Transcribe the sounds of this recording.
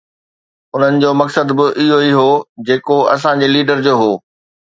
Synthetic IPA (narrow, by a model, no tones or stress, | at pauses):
ʊn̤ənɪ̆d͡ʑoːmɐksəd̪bɪʔɪɦoiɦod͡ʑeːkoɐ̰s̬ãɲd͡ʑeːliːɖəɾd͡ʑoːɦoː